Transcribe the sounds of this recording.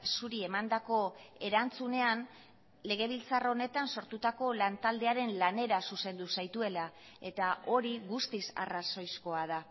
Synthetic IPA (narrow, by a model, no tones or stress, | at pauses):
suɾie̞mand̪ako̞e̞ɾant͡sune̞an | le̞ɣ̞e̞β̞ilt͡saro̞ne̞t̪anso̞ɾt̪ut̪ako̞lant̪ald̪e̞aɾe̞nlane̞ɾasuse̞nd̪usajt̪ue̞la | e̞t̪aʔo̞ɾiɣust̪isa̰raso̞jsko̞að̞a